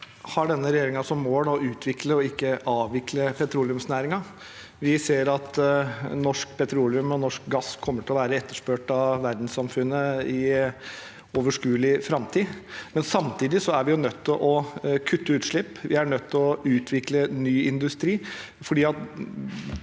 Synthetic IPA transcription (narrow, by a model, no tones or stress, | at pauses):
hɑɖɛnːəɾɛjeːɾɪŋɑsɔmːoːlɑʉːt̪ʰʋɪkləɔɪkːəʔɑːʋʋɪkʰləpʰɛt̪ʰɾuːlɪʉmsnæːɾɪŋɑ | ʋɪseːɾɑt̪nɔʂk̚pʰɛt̪ʰɾuːlɪʉmɔnɔʂk̚ɡɑsːkʰɔmːəʈʰɪlɔʋæːɾəɛt̪ːəʂpøːʈɑʋʋæɾd̪n̩ssɑmfʉnːəɪ | ɔʋəʂkʉːlɪfɾɑmt̪ʰiːmɛnsɑmt̪ʰiːd̪ɪsɔæɾʋɪjʊnœt̪ʰːɪlʔɔkʰʉt̪ːəʉːt̪ʂɭɪpːʋɪæɾɳœt̪ːɪlɔʉːt̪ʰʋɪklənyːɪnd̪ʉst̪ɾiː | fɔɖiːɑt̪